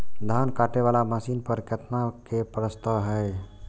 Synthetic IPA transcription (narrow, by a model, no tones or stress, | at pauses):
d̪ʱankaʈeβalamasinpəɾkət̪nakepɾəst̪əɦɛj